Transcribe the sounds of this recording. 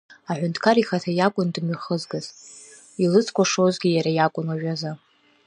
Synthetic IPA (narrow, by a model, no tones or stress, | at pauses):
aħʷᶣʊntʰkʰaɾiχatʰajakʷʼʊndɨmɥiχəzɡɨz | ilɨt͡sʰkʷʰaʂozɡʲijaɾajakʷʼʊnwaʒᶣaza